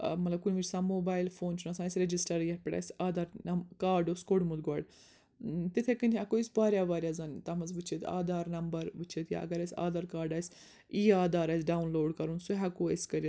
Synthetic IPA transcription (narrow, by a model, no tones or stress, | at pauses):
mɐt̪lɐb̚kunʲʋiɾʲsãːmoːbaːilfoːnt͡ʃʰunɐsãːsʲɾed͡ʒisʈɐɾjɐpʲɐɽʲa̰sʲaːd̪aːɾɐmkaːɾɖoːskoɽmud̪ɡɔɽ | t̪it̪ʰekɨnʲʰɐkoisʲbaːɾʲjaʋaːɾʲjaːzɐnt̪ɐmɐzʋɨt͡ʃʰet̪a̰ːd̪aːɾnɐmbɐɾʋɨt͡ʃʰet̪ja̰ʔɐ̰ɡɐɾɐsʲa̰ːd̪aːɾkaːɾɖaːsʲ | iːaːd̪aːɾaːsʲɖaːunloːɖkɐɾunsuɦɛkoːesʲkɐɾʲi